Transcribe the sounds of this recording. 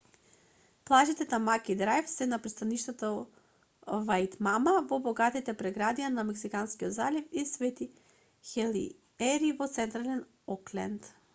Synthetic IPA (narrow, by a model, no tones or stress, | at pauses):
plˠaʒit̪ɛt̪amakid̪ɾajfsɛnapɾɛst̪aniʃt̪at̪ɔ | vajt̪mamavɔbɔɡat̪it̪ɛpɾɛɡɾad̪ijanamɛksikanskiod̪zalifisvɛt̪i | xɛlḭ | ɛɾivɔt̪sɛnt̪ɾalɛn | ɔklɛ̰nt̪